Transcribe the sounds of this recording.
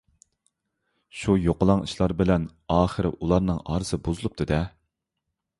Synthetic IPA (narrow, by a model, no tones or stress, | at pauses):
ʃujoqəlˠɑŋiʃlˠɑɾbɪlɛn | ɑːχəɾɪ̰ʔulˠɑɾnɨŋɑ̰ːɾɨsɨbuzɨlˠup̚t̪ʰɨd̪ɛ